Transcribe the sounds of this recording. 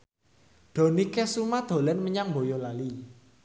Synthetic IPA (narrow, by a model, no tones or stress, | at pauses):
ɖ̪̥o̤nikesumad̪̥o̤lɛnməɲaŋmbojolali